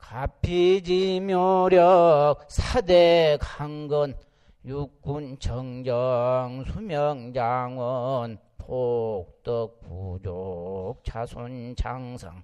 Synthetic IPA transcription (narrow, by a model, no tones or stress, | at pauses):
kapʰːid͡ʑimjoɾjʌk̚sʰadekʰaŋɡʌn | juk͈ːunt͡ɕʌŋd͡ʑʌŋsʰumjʌŋd͡ʑaŋwʌn | pʰok̚tʌk̚pud͡ʑok̚t͡ɕʰasʰont͡ɕʰaŋsʰa̰ŋ